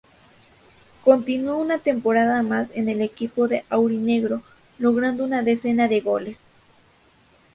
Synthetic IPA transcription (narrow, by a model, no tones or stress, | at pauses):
ko̞nt̪inuounat̪e̞mpoɾaðamasene̞lekipo̞ðeʔawɾine̞ɣɾo | loɣɾand̪ounaðese̞naðe̞ɣo̞les